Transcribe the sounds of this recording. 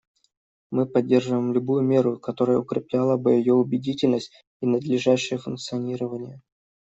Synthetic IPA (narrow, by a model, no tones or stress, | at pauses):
mɨpɐdʲːe̞rʐɨvəjmlʲʊbujʊmʲe̞ɾʊkɐt̪o̞ɾəjə̰ʊkɾʲɪplʲalˠəbɨjɪjoʊbʲɪdʲitʲɪlʲnəsʲt̚ʲ | inəd̪lʲɪʐaɕːɪjəfʊnk̚t̪sɨɐnʲiɾəvənʲɪjə